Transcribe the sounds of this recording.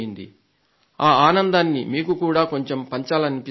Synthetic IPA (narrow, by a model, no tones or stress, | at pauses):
ind̪ḭ | aːaːnɐnd̪aːnːimiːkukuːɽaːko̞ɲt͡ʃe̞mpɐɲt͡ʃaːlɐnipi